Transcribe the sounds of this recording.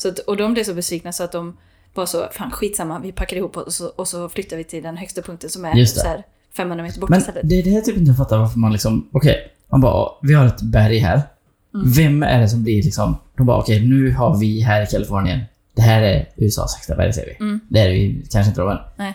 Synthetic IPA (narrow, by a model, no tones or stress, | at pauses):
sɔat̪ɔd̪ɔmblɪsɔbɛsviːk̚nasɔat̪̚d̪ɔm | vasɔfaːnɧiːt̪samːavɪpʰakːaɾɪhuːpːɔɔsɔɔsɔflʏt̪ːaɾvɪt̪ʰɪld̪ɛnhœkst̪apʰɵŋkt̪ənsɔmæɾjɵst̪sɛ̰æːɾ | fɛmːhɵnɾameːt̪əɾbɔmɛnɛt̪ːəd̪ɛːɖɛhæːt̪ʰyːpɪnt̪əfat̪ːaɾvaɾfəɾmanlɪksɔmɔkʰɛj | manbɑ̰ːʔɔ̰vɪhaɾɛt̪bæɾjɦæ̰ːɾ | vɛmːæ̰ɖɛs̬ɔmblɪɾlɪksɔmd̪̥ɔmbɑ̰ːʔɔ̰kʰɛjnʉ̟ːhaɾvɪɦæːɾɪkʰalɪfoːɾnɪ̰ə̰n | d̪̥ɛɦæːɾæɾʉ̟ːɛsɑ̰ːsɛkst̪abæ̰ɾjsɛ̰ːvɪ̰d̪ɛæɾvɪ̰kʰanʂəɪnt̪əɾɔmɛ̰n